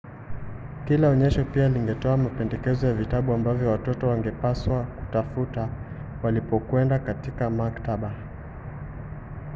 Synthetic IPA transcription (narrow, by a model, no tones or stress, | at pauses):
kilaɔɲɛʃɔpialiŋɡɛtɔamapɛndɛkɛzɔjavitaɓuambavjɔwatɔtɔwaŋɡɛpaswaku̥tafuta | walipɔkwɛndakatikamaktaɓa